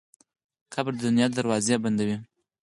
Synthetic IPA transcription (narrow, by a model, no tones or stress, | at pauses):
qabɾd̪əd̪ʊnjɑd̪aɾwɑzeband̪awi